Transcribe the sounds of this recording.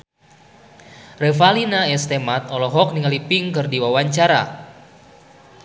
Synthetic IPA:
rɛfalinaɛst̪emat̪̚ɔlɔɦɔk̚niŋalipiŋkɨrdiwawaɲt͡ʃaɾa̰

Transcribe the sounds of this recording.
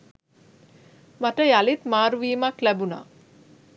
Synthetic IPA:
maʈəjalit̪maːɾuʋiːmaklæbuna̰ː

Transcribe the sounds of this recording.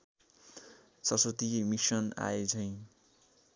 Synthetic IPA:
sʌsot̪imisʌna̰ed͡zʰʌj̃

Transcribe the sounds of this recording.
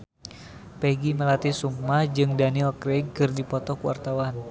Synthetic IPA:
pɛɡiməlat̪isumːad͡ʒɨŋdanilkɾɛɡ̚kɨrdipɔt̪ɔkuwa̰rt̪awan

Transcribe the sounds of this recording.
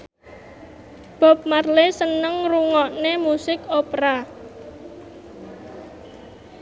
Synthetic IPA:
b̥ɔ̤p̚marlesənəŋruŋɔʔnemusɪkopɾa

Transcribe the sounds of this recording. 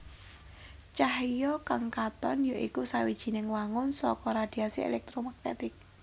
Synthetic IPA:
t͡ʃaɦjɔkaŋkat̪ɔnjaʔikusawid̥ʒ̥i̤nɪŋwaŋʊnsɔkɔɾad̪̥i̤asiḛlɛk̚t̪ɾomak̚nḛt̪ɪk̚

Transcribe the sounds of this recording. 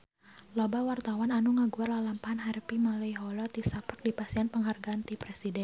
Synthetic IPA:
lɔbawart̪awananuŋaɡuarlalampaɦanɦaɾpimalɛjɦɔlɔt̪isapək̚dipasianpəŋɦarɡaant̪ipɾɛsidɛn

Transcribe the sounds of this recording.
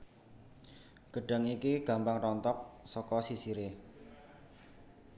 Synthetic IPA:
ɡ̥əɖ̥a̤ŋikiɡ̥a̤mpaŋrɔnt̪ɔk̚sɔkɔsisiɾe

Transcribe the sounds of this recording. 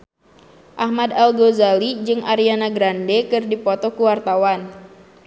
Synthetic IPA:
ʔahmadalɡozalid͡ʒɨŋʔaɾianaɡɾandekɨrdipɔt̪ɔkuwart̪awan

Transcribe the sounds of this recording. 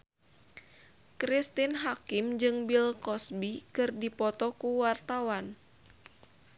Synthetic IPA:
kɾist̪inɦakɪmd͡ʒɨŋbilkɔsbikɨrdipɔt̪ɔkuwart̪awan

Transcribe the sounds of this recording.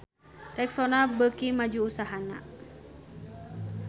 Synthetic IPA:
rɛksɔnabəkimad͡ʒuːsaɦana̰

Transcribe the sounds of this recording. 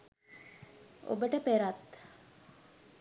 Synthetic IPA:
ʔo̰bəʈəpeɾat̪

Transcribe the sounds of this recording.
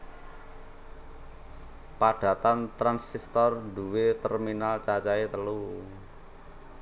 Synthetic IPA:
paɖ̥ä̤t̪ant̪ɾansist̪ɔrd̪uwet̪ərminalt͡ʃat͡ʃaet̪əlu

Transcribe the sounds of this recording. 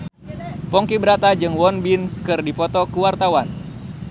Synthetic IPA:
pɔŋkibəɾat̪ad͡ʒɨŋwɔnbinkɨrdipɔt̪ɔkuwart̪awan

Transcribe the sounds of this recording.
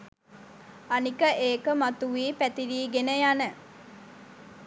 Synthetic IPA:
anikəʔeːkəmat̪uʋiːpæt̪iɾiːɡenəjanə

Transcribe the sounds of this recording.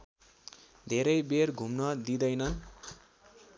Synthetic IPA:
d̪ʱeɾʌjberɡʱumnʌd̪id̪ʌjnʌn

